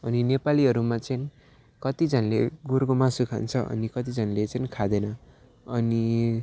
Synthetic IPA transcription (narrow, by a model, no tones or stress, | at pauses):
ʌninepaliɦʌɾumat͡sʌni | kʌt̪id͡zʱʌnleɡurkomasukʰa̰nt͡sʰʌʔʌ̰nikʌt̪id͡zʱʌnlet͡sʌnikʰad̪enʌ | ʌni